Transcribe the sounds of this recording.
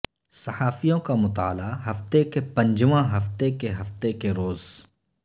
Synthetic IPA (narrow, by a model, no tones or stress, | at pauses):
sɐhaːfijõkamʊt̪aːlaɦɐft̪ekepɐ̃ɲd͡ʒʋãɦɐft̪ekeɦɐft̪ekeɾoːz